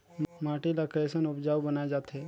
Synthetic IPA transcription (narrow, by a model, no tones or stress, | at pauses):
maːʈilakɾeːsənʊpd͡ʒaːubənaːed͡ʒaːt̪ɦeː